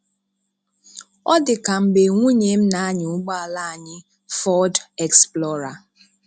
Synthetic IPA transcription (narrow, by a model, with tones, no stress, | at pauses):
ɔ˦dɪ˨ka˨m̩˨ɡ͡be˨ŋʷu˦ɲe˨m̩˦na˨a˦ɲɪ˨ʊ˦ɡ͡ba˦a˨la˦a˨ɲɪ˦ | fɔ˦dɛ˨ksplɔ˦ɾa˨